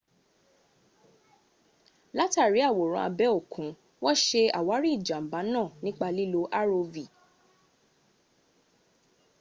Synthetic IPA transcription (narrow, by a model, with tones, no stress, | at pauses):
la˦ta˦˨ɾi˨˦a˦˨wo˨ɾ̃ɔ̰̃˧˦a̰˧bɛ˦o˦˨kʰũ˨˦ | wɔ˦ʃe˧a˨wa˨˦ɾi˦˨d͡ʒã˨m̩˨ba˨˦nãː˦˨nĩ˦k͡pa˧li˦lo˧˦ʔa˦ɾo˧vi˨